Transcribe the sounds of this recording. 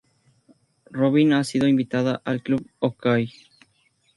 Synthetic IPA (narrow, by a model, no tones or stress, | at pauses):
roβinasiðoimbit̪aðaʔalkluβokaj